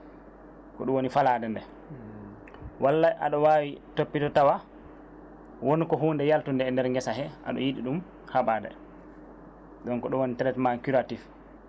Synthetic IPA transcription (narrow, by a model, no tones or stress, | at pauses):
kɔɗuwonifaladɛndɛ | walːajʔa̰ɗɔwaːwitopːitɔtawa | wonkɔɦuːndɛjaltundɛːndɛɾŋɡɛsaɦɛʔa̰ɗɔ̰jiɗiɗum | haɓaːdɛ̰ | ɗɔŋkɔɗɔwonitɛɾɛtmaŋkuɾatif